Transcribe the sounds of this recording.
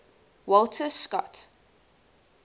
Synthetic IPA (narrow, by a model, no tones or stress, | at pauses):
wɔlˠtʰəskɔ̰t